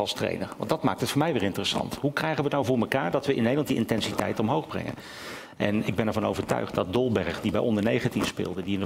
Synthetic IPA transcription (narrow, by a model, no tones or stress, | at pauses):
ɑlˠstrḛjnə̰ɹʋɑ̰ndɑtma̰ːk̚tətfʊːɹmɛjʋɪːɹɪntərəsɑ̰ntɦukrɛjχəʋənawvʊːɹməkaːɹdɑtʋəʔɪ̰nːejdəlɑntdiʔɪntɛnsitɛ̰jtɔmɦowχbrɛ̰ŋə̰n | ʔɛnɪɡ̚bɛnɛɹvɑno̰wvəɹtœ̰ɥχtdɑt̚dɔlˠbɛɹəχdibɛjʔɔndəɹnejχatifspɪ̰ːlˠdədiɪnə